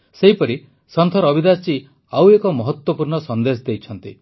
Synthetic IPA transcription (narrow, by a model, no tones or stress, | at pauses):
seɦipɔɾi | sɔnt̪ʰɔɾɔbid̪ast͡ʃi | awekɔmɔɦɔt̪wɔpuɾɳɔsɔnd̪esɔd̪et͡ʃʰɔnt̪ḭ